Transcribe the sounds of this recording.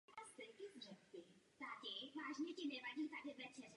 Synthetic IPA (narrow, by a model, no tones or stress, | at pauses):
mazt̪ɛɲkɪzrɛpbɪt̪adɪvaːʒɲɛcɪnɛvaɟiːt̪adɪvɛt͡ʃɛrɛ